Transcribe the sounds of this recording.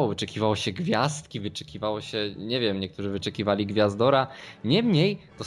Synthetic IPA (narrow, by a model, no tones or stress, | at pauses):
wɔvɨt͡ʂɛkʲivawɔɕɛɡvʲjast̪̚kʲivɘt͡ʂɛ̥kʲivawɔɕɛɲɛvʲjɛmɲɛkt̪uʐɘvɘt͡ʂɛkʲivalʲiɡvʲjazd̪ɔɾaɲɛmɲejt̪ɔ